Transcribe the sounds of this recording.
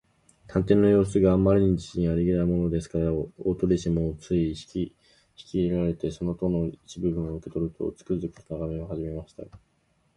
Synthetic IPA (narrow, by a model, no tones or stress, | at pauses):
t̪ʰãnt̪ẽ̞nːo̞jo̞ːsɨɡaːmːaɾʲiɲ̟id͡ʑiɕĩɲiaɾiɡʲinaimo̞no̞d̪e̞sɨ̥kaɾaot̪oɾʲiɕimot͡sɨii̥i | çi̥kʲieɾaɾe̞t̪e̞so̞no̞t̪o̞no̞it͡ɕibɯ̟bɯ̟̃ɰ̃oɯ̟ke̞t̪o̞ɾɯ̟t̪ʰo̞̰t͡sɨ̥kɯ̟zɨkɯ̟̥t̪o̥naɡame̞ohaʑime̞maɕi̥t̪a̰